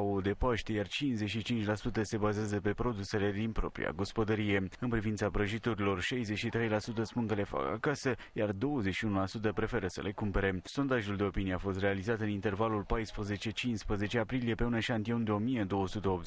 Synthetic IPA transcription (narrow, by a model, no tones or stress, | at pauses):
aod̪e̞paʃt̪e̞jart͡ʃinszeʃit͡ʃint͡ʃʲlasut̪əse̞bazeazəpe̞pɾo̞d̪use̞le̞d̪inpɾo̞̰pɾḭa̰ɡo̞spo̞d̪əɾije̞ɨnpɾivint̪sabɾəʒit̪uɾilo̞rʃajzet͡ʃʃit̪ɾe̞jlasut̪əspunkəle̞fa̰ka̰kasəjard̪o̞wəze̞t͡ʃʃiunulasut̪̬əpɾe̞fe̞ɾəsə̰lʔe̞kumpe̞ɾe̞so̞nd̪aʒuld̪e̞o̞pinije̞afo̞st̪re̞alizat̪ɨnint̪e̞rvalulpajspɾəze̞t͡ʃe̞t͡ʃinspɾəze̞t͡ʃeapɾilije̞pe̞unəʃant̪io̞nd̪eo̞mije̞d̪o̞wəsut̪eop̪